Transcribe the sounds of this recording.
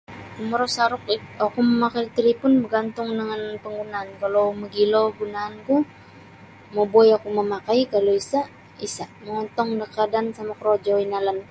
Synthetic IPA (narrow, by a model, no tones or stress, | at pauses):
kuməɾɔsaɾʊk̚akuməmakajt̪əɾipʊnbərɡant̪ʊŋdəŋanpəŋɡunaːnkalowməɡiloɡunaːnku | mobɔjakuməmakajkaloisa | isaʔməŋɔnt̪ɔŋdəkadansamakəɾod͡ʒɔinalan